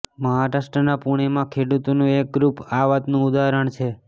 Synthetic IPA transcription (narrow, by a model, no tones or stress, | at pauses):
məɦaɾasʈənapuɽ̃emãkʰeɽut̪onũek̚ɡɾupaʋat̪nũʊd̪aɾəɳ̃t͡ʃʰe